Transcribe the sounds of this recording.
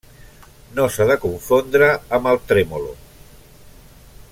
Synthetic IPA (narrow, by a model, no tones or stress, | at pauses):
nosaðəkuɱfond̪ɾaːmalˠt̪ɾemolo̰